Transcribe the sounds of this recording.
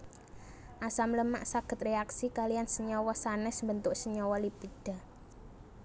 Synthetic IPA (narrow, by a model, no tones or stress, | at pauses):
ʔasamləma̰ʔsaɡ̥ə̤t̪̚reaksikalijansəɲɔwɔsanɛsmbənt̪ʊksəɲɔwɔlipid̥a̤